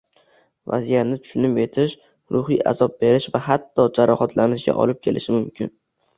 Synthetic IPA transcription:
va̰zijat̪nɪt̪ʰʊ̥ʃʊnɪpe̞t̪ʰɪʃ | ɾʊhijʔa̰zɒp̚be̞ɾɪʃvaɦat̪ʰːɒd͡ʒaɾɒhat̪ʰlanɪʃɡʲa̰ʔɒ̰lɪp̚kʲʰe̞lʔɪ̰ʃɪmʊmkʲʰɪ̰n

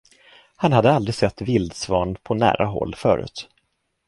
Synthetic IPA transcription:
hanhad̪əald̪ɾɪsɛt̪ːvɪld̪svɑːɳpʰɔnæ̰ːɾʔaɦɔ̰lːfœ̰ːɾʉ̟ːt̪

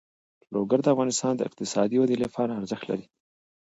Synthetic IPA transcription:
loɡaɾd̪əafɣɑnɪst̪ɑːnd̪əɪ̰q̚t̪ɪsɑd̪iwad̪ilefɑɾaaɾzəxt̪la̰ɾi

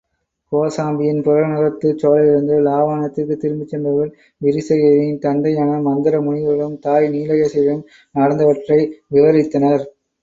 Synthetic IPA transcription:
koːsaːmbɪjɪnpʊɾɐɾnɐɾɐt̪ːɯt͡ʃoːlɐlɪɾɯnd̪ɯlaːʋaːɳɐt̪ːɪrkːɯt̪ːɪɾɯmbɪt͡ʃːɛnbɐʋɪl | ʋɪɾɪsɐjɐɾɪnt̪ɐnd̪ɐjaːnɐmɐnd̪ɪɾɐmʊɳɪʋɐɐɭɯmt̪aːjniːlɐjɐsɐjɐlɯm | nɐɽɐnd̪ɐʋɐʈrɐɪʋɪʋɐɾɪt̪ːɐnɐɾ

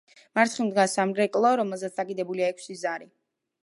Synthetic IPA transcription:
maɾt̪ʰχimd̪ɡasamɾɛkʼlˠɔɾɔmɛlˠzɛt̪sd̪akʼid̪ɛbuliaɛkʰsizaɾi

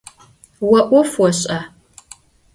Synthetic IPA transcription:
wɐʔʷɔfwɔɕʼɐ

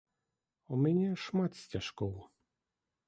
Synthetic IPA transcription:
umʲɛnʲɛʂmat̪sʲtʲaʂkɔw

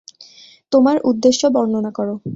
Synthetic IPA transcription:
t̪omaɾud̪ːeʃːobɔnːonakɔɾo

